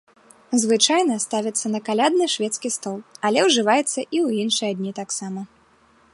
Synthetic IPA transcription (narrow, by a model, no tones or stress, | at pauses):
zvɨt͡ʂajnɐst̪avʲɐt̪sːɐnɐkalʲad̪nɨʂvʲɛt̪skʲist̪ɔlˠɐlʲɛwʐɨvajɛt̪sːɐʔiwjinʂɨjɐd̪ʲnʲit̪aksamɐ